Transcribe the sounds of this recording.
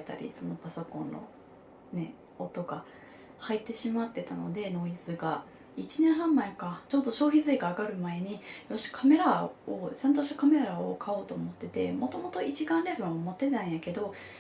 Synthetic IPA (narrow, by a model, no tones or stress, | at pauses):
t̪a̰ɾʲḭso̞no̞paso̞kõ̞nːo̞̰ | ne̞̰ | ot̪o̞ɡa | hait̪ːe̞ɕimat̪ːe̞t̪ano̞̰d̪e̞no̞izɨɡa | it͡ɕinẽ̞ɰ̃ɦãmːaekat͡ɕo̞t̪ːo̞ɕo̞ːçizɨeɡaːɡaɾɯ̟mae̞ɲ̟ijoɕi̥kʰame̞ɾaot͡ɕãnt̪̬o̞ɕikame̞ɾɾao̰kʰao̞ːt̪o̞ːmo̞t̪ːe̞t̪e̞mo̞t̪o̞mo̞t̪o̞it͡ɕiɡãnɾe̞bɯ̟ãomo̞t̪ːe̞t̪ãɰ̃jake̞d̪o̞